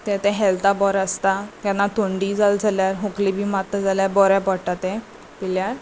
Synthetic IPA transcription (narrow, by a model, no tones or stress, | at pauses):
t̪ɛ̃t̪ɛ̃ɦɛlt̪abɔɾəst̪at̪janːat̪oɳɖid͡zald͡zʱaljaɾɦuklibʱiːmat̪ːəd͡zaljaɾbɔɾjapɔɽʈat̪ẽ | piljaɾ